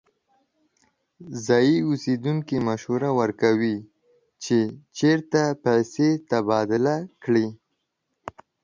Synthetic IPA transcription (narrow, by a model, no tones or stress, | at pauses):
zɑjiused̪uŋkimaʃhuɾawəɾkawi | t͡ʃet͡ʃeɾt̪apajset̪abɑd̪ɪlakɽi